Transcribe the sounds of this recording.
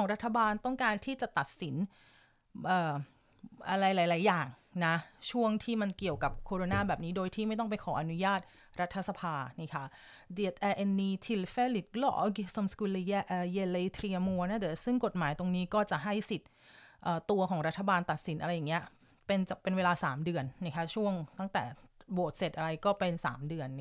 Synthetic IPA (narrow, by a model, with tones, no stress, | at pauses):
ɔː˩˦ŋɾa˦˥t̪ʰːa˧baː˧nt̪ɔ˥˩ŋkaː˧nt̪ʰiː˥˩t͡ɕa˨˩t̪a˨˩t̪̚si˩˦n | ʔəː˨˩ | ʔa˧ɾa˧jlaː˩˦laː˩˦jaː˨˩ŋna˦˥t͡ɕʰu˥˩əŋt̪ʰiː˥˩ma˧nki˨˩əwka˨˩p̚kʰoː˧ɾoː˧naː˧˩bɛː˨˩p̚niː˦˥doː˧jt̪ʰiː˥˩ma˥˩jt̪̬ɔ˥˩ŋp̬a˧jkʰɔː˩˦ʔa˧nu˦˥jaː˥˩t̪̚ | ɾa˦˥t̪ʰːa˧sa˧pʰaː˧naː˥˩kʰa˦˥di˨˩ət̪̚ʔɛː˧ʔe˧nːiː˧t̪ʰi˧lfeː˥li˨˩k̚lɔ̰˦˥ʔɡi˧sə˧mskuː˧li˧ja˦˥ʔːje˧le˧t̪ʰɾi˧əmu˧ɐna˥˩t̪ɛ˨˩sɯ˥˩ŋko˨˩t̪̚maː˨˩˦jt̪o˧ŋniː˦˥kɔː˥˩t͡ɕa˨˩ʔɦa˥˩jsi˨˩t̪̚ | ʔəː˨˩t̪u˧ɐkʰɔː˩˦ŋɾa˦˥t̪ʰːa˧baː˧nt̪a˨˩t̪̚si˨˩˦nʔa˧ɾa˧jːaː˨˩ŋːi˦˥ɐ | pe˧nt͡ɕa˨˩pe˧nweː˧laː˧saː˩˦mdɯ˧ənna˥˩kʰa˦˥t͡ɕʰu˥˩əŋt̪a˥˩ŋt̪ɛ̰ː˨˩boː˨˩t̪̚se˨˩t̪̚ʔa˧ɾa˧jkɔː˥˩pe˧nsa̰ː˩˦mdɯ˧ən